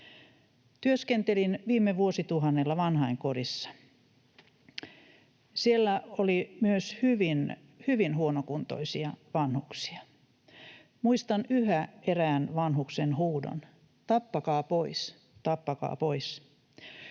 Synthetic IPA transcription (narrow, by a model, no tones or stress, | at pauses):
t̪yøskent̪elinʋiːmːeʋuosit̪uɦɑnːelːɑʋɑnhɑiŋkorisːɑ̥ | sielːæolimyøshyʋin | hyʋinhuonokunt̪o̰isiɑʋɑnhuksi̥ɑ | muist̪ɑnyhæeræːnʋɑnɦuksenhuːdo̰n | t̪ɑpːɑkɑːpois | t̪ɑpːɑkɑ̰ːpois